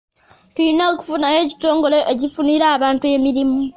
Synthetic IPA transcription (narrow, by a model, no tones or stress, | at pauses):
tuineːku̥funajeːci̥to̞ːŋɡo̞loʔecifuniɾaːβaːntue̞miɾimu